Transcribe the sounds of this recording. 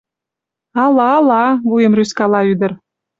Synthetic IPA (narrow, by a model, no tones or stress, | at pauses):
ɑlɑːlɑβujemryskɑlɑyd̪ə̆r